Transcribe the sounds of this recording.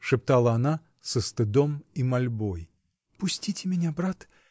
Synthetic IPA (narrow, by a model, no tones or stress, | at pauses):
ʂɨpt̪alˠəɐna | səst̪ɨd̪omimɐlʲboj | pʊsʲtʲitʲɪmʲɪnʲabɾat̪